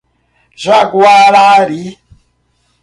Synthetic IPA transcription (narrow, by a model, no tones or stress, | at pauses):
zʷakuaɺaɾi